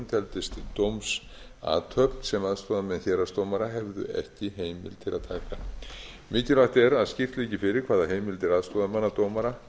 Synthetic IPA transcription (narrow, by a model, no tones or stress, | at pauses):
nt̪ʰɛlt̪ɪst̪t̪owms | a̰ːt̪ʰœpnsɛmaðst̪ɔðamɛnçɛːɾast̪owmaɾaɦɛvðʏ̰ɛ̰hcɪɦeːjmɪ̰lt̪ʰɪlaðt̪ʰaːka | mɪːcɪlaht̪ɛɾaðscɪft̪liːcɪfɪɾɪɾkʰvaːðaɦeːjmɪlt̪ʰɪlaðst̪ɔðamanːat̪owmaɾa